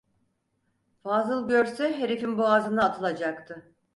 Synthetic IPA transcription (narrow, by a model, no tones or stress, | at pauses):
faːzɯlˠɟøɾsɛɦeɾefinbuazɯnaːt̪ʰɯlˠad͡ʒakt̪ʰɯ